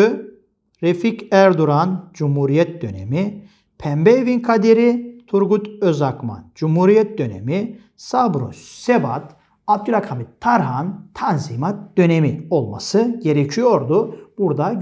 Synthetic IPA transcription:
ɾeficæɾd̪uɾand͡ʒumhuɾijɛt̪̚d̪ø̞nḛmi | pʰɛmbejviŋkʰad̪eɾit̪ʰuɾɡut̪øzakma̰d͡ʒumhuɾijɛt̪̚d̪ø̞nḛmi | sabɾṵssebat̪ | ab̚d̪ylʲakʰamit̪ʰːaɾɦant̪ʰanzimat̪̚d̪̥ø̞nemio̞lˠma̰sɯɟe̞ɾecʰijo̞ɾd̪ub̥uɾd̪a

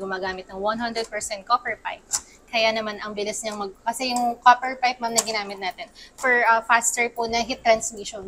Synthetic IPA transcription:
ɡʊmaːɡaːmɪt̪nɐŋwɐnɦɐnd̪ɾɛd̪̚pɛɹsɛnt̪̚kopɛɹpa̰jps | kɐjanɐmanʔɐŋbɪlɪsɲɐŋmɐɡ̚kɐsɛjʊŋkopɛɹpajp̚mamnɐɡɪnaːmɪt̪̚naːt̪ɪnpɛɹʔɐfast̪ɛɹponɐɦit̪ːɾɐnsmiʃɔn

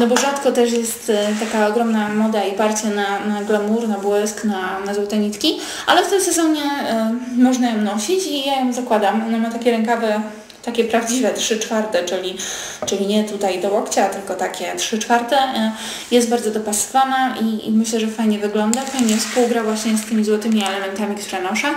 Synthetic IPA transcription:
nɔbɔʐat̪kɔt̪ɛʂjɛst̪t̪akaɔɡɾɔmnamɔd̪aipaɾt͡ɕananaɡlɛmuɾnabwɘsknanazɔwt̪ɛɲit̪kʲi | a̰lɛft̪ɘmsɛzɔɲɛ | mɔʐnajɔ̃w̃nɔɕit͡ɕijajɔ̃w̃zakwad̪amɔnɛmat̪akʲɛɾɛŋkavɛ | t̪akʲɛpɾavd͡ʑivɛtʂɘt͡ʂfaɾt̪ɛt͡ʂɘlʲi | t͡ʂɘlʲiɲɛt̪ut̪ajd̪ɔwɔkt͡ɕat̪ɘlkɔt̪akʲɛtʂɘt͡ʂfaɾt̪ɛ | jɛst̪̚baɾd̪zɔd̪ɔpasɨ̥vanaʔḭmɘɕlɛʐɛfajɲɛvɘɡlɔnd̪afajɲɛfspuwɡɾavwaɕɲɛst̪ɘmʲizwɔt̪ɘmʲiɛlɛmɛnt̪amʲikt̪uɾɛnɔʂa

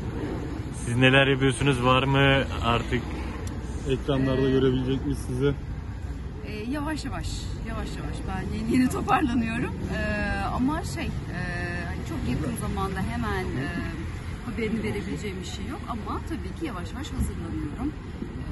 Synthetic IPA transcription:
sizne̞lʲæɾjapyjo̞ɾsynyzvaɾmɯaɾt̪ʰɯk | ɛcɾanlˠaɾd̪aɟø̞ɾebilʲed͡ʒɛcmisizɪ | ɛːjavaʃjavaʃjavaʃjavaʃbænjejenit̪ʰo̞pʰaɾlˠanɯjo̞ɾumɯːa̰maʃej | ɛːhanit͡ʃʰo̞kjakʰɯnzamand̪aɦe̞mænɛː | habe̞ɾinive̞ɾe̞bilʲed͡ʒɛjbiʃejːo̞kʰamat̪ʰabiːcʰijavaʃjavaʃhazɯɾlˠanɯjo̞ɾum

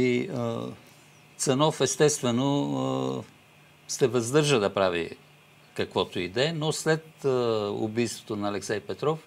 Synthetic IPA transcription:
i | t̪sɛnɔfɛst̪ɛst̪vɛno | st̪ɛvɐzd̪ɤɾʒəd̪ɐpɾavḭ | kɐkvɔt̪oid̪ɛnoslɛt̪əʊ̰bijst̪vo̥t̪onɐːlɛksɛjpɛt̪ɾɔf

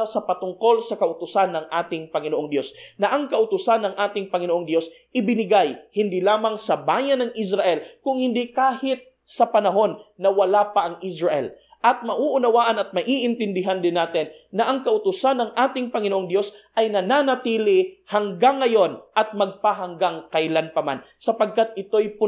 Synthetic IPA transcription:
sɐpɐt̪ʊŋko̞lsɐkɐʔʊt̪ʊsanːɐŋʔaːt̪ɪŋpɐŋɪnoʔoŋd̪jo̞snɐʔɐŋkɐʔʊt̪ʊsanːɐŋʔaːt̪ɪŋpɐŋɪnoʔoŋd̪jo̞sʔɪbɪnɪɡajhɪnd̪ilaːmɐŋsɐbaːjɐnɐŋʔɪs̬ɾɐʔɛlkʊŋhɪnd̪ikaːhɪt̪̚ | sɐpɐnɐɦo̞nːɐwɐlapɐʔɐŋʔɪsɹɐʔɛ̰l | ʔɐt̪̚mɐʔuʔʊnɐwaːʔɐnɐt̪̚mɐʔiːʔɪnt̪ɪnd̪ɪɦand̪ɪnːaːt̪ɪnːɐʔɐŋkɐʔʊt̪ʊsanːɐŋʔaːt̪ɪŋpɐŋɪnoʔoŋd̪jo̞sʔɐjnɐnaːnɐt̪iːlɪhɐŋɡaŋːɐjo̞nʔɐt̪̚mɐɡ̚paɦɐŋɡaŋkajlanpɐma̰nsɐpɐɡ̚kat̪̚ɪt̪o̞jpʊ

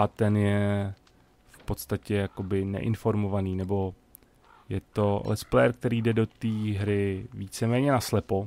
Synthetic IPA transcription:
at̪ɛnjɛ | fpo̞t̪st̪acɛjako̞bɪnɛ̰ʔɪ̰nfo̞ɾmo̞vaniːnɛbo̞ | jɛt̪o̞lɛ̰splɛjɛɾk̚t̪ɛɾiːdɛdo̞t̪iːɦɾɪviːt͡sɛmɛːɲɛnaslɛpo̞

